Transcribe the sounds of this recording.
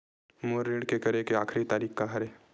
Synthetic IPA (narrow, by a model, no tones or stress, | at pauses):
moːɾːiːɽkekɐɾekeaːkʰɾit̪aːɾiːxkaɦɐɾeː